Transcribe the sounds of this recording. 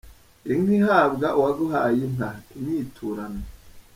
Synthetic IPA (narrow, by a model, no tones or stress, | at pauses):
iŋihaːbɡaʔuwaɡoɦaːjen̥aiɲiːtʰuːɾane